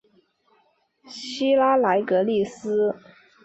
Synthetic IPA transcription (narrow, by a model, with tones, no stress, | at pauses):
ɕi˥la˥la˧˥ɪkɤ˧˥li˥˩sɹ̩˥